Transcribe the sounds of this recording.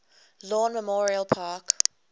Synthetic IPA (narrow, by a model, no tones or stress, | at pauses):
lɔːnməmɔːɹiəlˠpʰaːk